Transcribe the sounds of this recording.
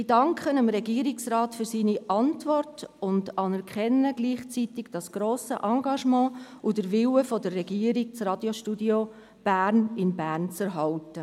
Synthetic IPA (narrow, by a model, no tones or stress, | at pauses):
idɑŋkχənəmɾɛɡiːəɾɪksraːtfyɾsiːniʔɑntvɔrtʊndɑnɛɾkχɛnːəɡ̥liːχt͡sitɪɡ̥d̥ɑsɡ̥ɾoːsə̰ʔɑŋɡɑʃmɑ̃ːʔudəɾʋɪwəfɔdərːɛɡiːəɾik̚t͡srɑd̥joʃtudjo | b̥æːɾnɪnbæːrnt͡sɛɾɦɑltə